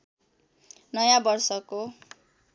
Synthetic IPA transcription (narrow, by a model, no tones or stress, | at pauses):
nʌjãbʌrsʌko